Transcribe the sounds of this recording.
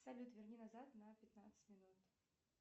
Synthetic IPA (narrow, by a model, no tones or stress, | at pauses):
salʲut̪vʲɪrnʲinɐzat̪nəpʲɪt̪nat̪sɨ̥tʲmʲɪnut̪